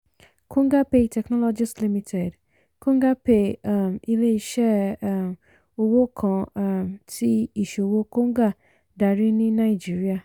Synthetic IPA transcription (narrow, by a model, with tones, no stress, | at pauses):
kʰõ˦ŋɡa˦pe˨tʰɛ˨knɔ˦lɔ˦d͡ʒi˦sli˦mi˦tʰɛ˨d | kõ˦ŋ˦ɡa˦pe˨mi˦le˦i˨ʃɛ˦˨ | o˨wo˦kʰɔ̃˨mtʰi˦i˨ʃo˨wo˦ko˦ŋ˦ɡa˦ | da˨ɾi˦nĩ˦nã˨i˨d͡ʒi˨ɾi˦a˨